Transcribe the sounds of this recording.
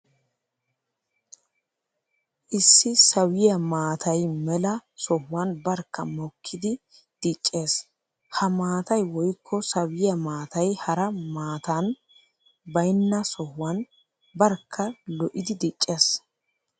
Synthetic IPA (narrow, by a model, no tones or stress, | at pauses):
ʔɪsːɪsɐwɪjɐmaːt̪ʰɐjmɛlɐsɔhːɐnbɐɾkːɐmɔkʰːɪd̪ɪ | d̪̥it͡ʃʼːe̞ːs | hɐmaːt̪ɐjwɔjkʰːɔsɐwɪjɐmaːt̪ɐjhɐɾɐmaːt̪ɐn | bɐjnːɐsɔhwɐn | bɐɾkʰːɐlɔʔɪd̪ɪd̪it͡ʃʼːe̞ːs